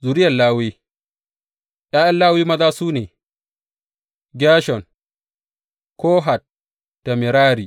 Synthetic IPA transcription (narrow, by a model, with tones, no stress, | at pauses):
zu˨ɾɪ˦jɐ˨laː˦wiː˦ | jaː˦ʔa˦llaː˦wi˦mɐ˦daː˦suː˦neː˨ | ɡʲaː˦ʃɔ˨n | koː˦ɦa˨t̚ː | a˨mɪ˨ɾaː˦ɾi˨